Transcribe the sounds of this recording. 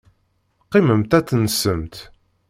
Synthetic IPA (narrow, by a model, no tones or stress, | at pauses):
qːiməmt̪æt͡sːnəsəmt̪